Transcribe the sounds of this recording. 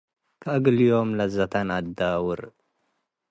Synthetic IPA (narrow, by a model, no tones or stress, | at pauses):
kʰaʔɐɡɨlijo̞mlɐzat̪ʰanad̪awʊɾ